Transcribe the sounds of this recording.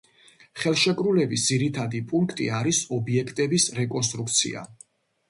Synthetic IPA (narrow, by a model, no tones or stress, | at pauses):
χɛlˠʃɛkʼɾulɛbisd̪ziɾit̪ʰad̪ipʼuŋkʰt̪ʼḭaɾisɔbiɛkʰt̪ʼɛbisɾɛkʼɔns̬t̪ʼɾuk̚t̪sʰḭa̰